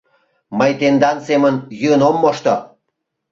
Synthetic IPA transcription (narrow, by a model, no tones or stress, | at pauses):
məjt̪end̪ɑnsemənjyənomːoʃt̪o